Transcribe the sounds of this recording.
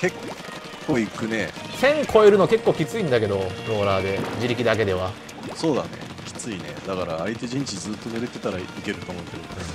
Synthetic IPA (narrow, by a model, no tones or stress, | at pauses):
ke̞kʰː | o̞ːikɯ̟ne̞sẽ̞ŋkʰo̞eɾɯ̟noke̞kːoːkʲit͡sɨĩnd̪ake̞d̪o̞ɾo̞ːɾaːd̪ed͡ʑiɾʲikʲid̪ak̬e̞d̪e̞βa | so̞ːd̪anḛkʲi̥t͡sɨine̞̰d̪akaɾaːit̪e̞ʑĩɲ̟t͡ɕid͡zɨːt̪ːo̞neɾɯt̪ːe̞t̪aɾaike̞ɾɯ̟t̪oːmoɯ̟ke̞d̪o